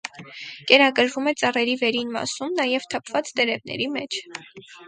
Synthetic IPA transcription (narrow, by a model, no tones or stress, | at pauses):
kɛɾɑkəɾvumɛt͡sɑrɛɾivɛɾinmɑ̰sumnɑjɛvt̪ʰɑpʰvɑt͡st̪ɛɾɛvnɛ̰ɾimɛt͡ʃʰ